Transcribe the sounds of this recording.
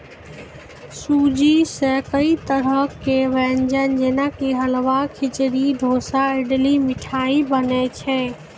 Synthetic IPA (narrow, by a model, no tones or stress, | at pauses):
sud͡ʒisəkəit̪əɾəkːeʋɛnd͡ʒənd͡ʒenakeɦəlʋakʰit͡ʃɾid̪ʱosaiɖlimiʈʰaibənɛt͡ʃʰɛ